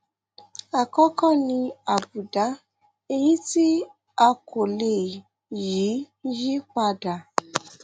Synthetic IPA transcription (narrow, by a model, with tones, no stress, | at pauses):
a˨kɔ˦kɔ̃˦˨nĩ˧a˨bu˨da˨˦ | e˧jĩ˦ti˦ | a˧kʰo˨le˨ | ji˨˦ | ji˦k͡pa˧da˨